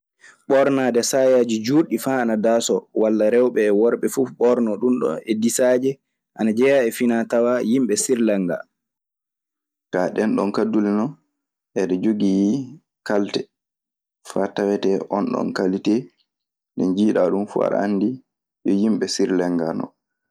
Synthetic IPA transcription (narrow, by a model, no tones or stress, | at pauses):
ɓɔɾnaːdɛsajad͡ʒid͡ʒuɾɗifaːnadaːsɔwalːaɾɛwɓɛːwɔɾɓɛfuɓɔɾnɔɗunɗɔ̰nɛdisaːd͡ʒɛ | ʔanad͡ʒɛjaɛfinatawajimɓɛsiɾlɛŋɡa̰ | kaɗɛnɗɔnkadulinɔ | ʔɛɗɛd͡ʒoɡij | kaltɛ | fatawɛtɛʔɔnɗɔ̰nkalite | nɛnd͡ʒiːɗaɗumfṵa̰ɾa̰nːdi | jɔjimɓɛsiɾlɛŋɡanɔ̰